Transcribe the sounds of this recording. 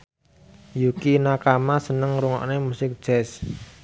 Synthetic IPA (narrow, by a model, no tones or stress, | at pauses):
jukinakamasənəŋɾuŋɔ̰ʔnemusɪk̚d̥ʒ̥ɛs